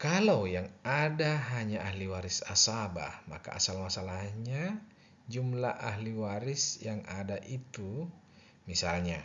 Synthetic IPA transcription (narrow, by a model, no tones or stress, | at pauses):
kalawjaŋadaɦaɲaʔahliwaɾisasaba̰hma̰ka̰ːsalmasalahɲa | d͡ʒumlaʔaɦliwaɾisjaŋa̰daʔit̪u | misalɲa